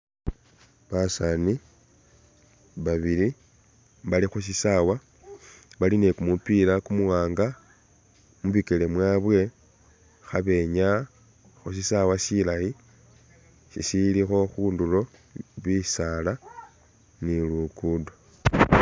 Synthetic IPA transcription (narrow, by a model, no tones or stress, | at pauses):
βasani | βaβili | βalixus̬isawa | βaline̞kumupiːɾakumuwaːŋɡa | muβikele̞mwaβwe̞ | xaβe̞ɲa | xus̬isawasilaji | sisilixo̞xuːndulo̞ | βisala | nilukudo